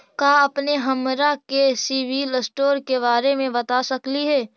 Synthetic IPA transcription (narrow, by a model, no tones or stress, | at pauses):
kaɐpneɦɐmɾakesiːʋiləsʈoːɾkeβaːɾemẽbɐt̪asɐkliɦɛː